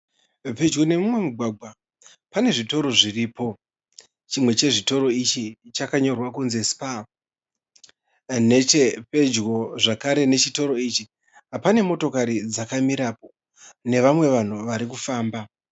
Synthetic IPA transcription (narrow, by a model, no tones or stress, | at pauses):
pe̞d͡ʒɡo̞ne̞mumwe̞muɡʱwaɡʱwa | pane̞ʐito̞ɾo̞ʐiriːpo̞ | t͡ʃimwe̞t͡ʃe̞ʐito̞ɾo̞it͡ʃit͡ʃakaɲo̞rwakunzespa | ne̞t͡ʃepe̞d͡ʒɣo̞ʐakaɾe̞ne̞t͡ʃito̞ɾo̞it͡ʃi | apane̞mo̞to̞kaɾid͡zakamiɾapo̞ | ne̞ʋamwe̞ʋan̤uʋaɾik̬ufaːmba